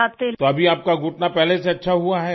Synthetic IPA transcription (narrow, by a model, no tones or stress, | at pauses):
at̪et̪oɐbʱiaːp̚kaɡʊʈnapɛɦleseɐtːʃʰaɦuaɦɛ